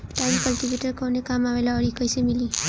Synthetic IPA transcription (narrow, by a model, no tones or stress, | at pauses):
ʈajmkʌlʈibeʈəɾkɔwnekamaʋelaʌɽikʌjsemili